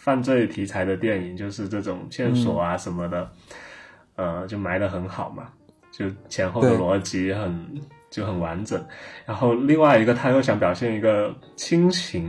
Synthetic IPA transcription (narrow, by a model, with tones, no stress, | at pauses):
fa˥˧nt͡swe˥˩ɪt̪ʰi˧˥t͡sʰa˧˥ɪd̪ə˧t̪jɛ˥˩ni˨˩ŋt͡ɕjo˥˧ʊʂɻ̩˥˧ʈ͡ʂɤ˥˩ʈ͡ʂʊ˨˩ŋɕjɛ˥˩nswɔ̰˨˩a˦ʂə˧˥nmə˧d̪ə˩ | ə˧˩t͡ɕjo˥˩ʊma˧˥ɪdə˧xə˧˥nxɑ˨˩ʊmɐ̰˦ | t͡ɕjo˥˩ʊt͡ɕʰjɛ˧˥nxo˥˩ʊə˨lwɔ˧˥t͡ɕi˧˥xə˨˩n | t͡ɕjo˥˩ʊxə˨˩nwa˧˥nʈ͡ʂə˨˩˦ŋɻa˧˥nxo˥˧ʊli˥˧ŋwa˥˩ɪi˧˥ɡə˧t̪ʰa˥jo˥˩ʊɕjɑ˧˥ŋp̬jɑ˨˩ʊɕjɛ˥˩ni˧˥ɡə˧ | t͡ɕʰi˥ŋt͡ɕʰi˧˥ŋ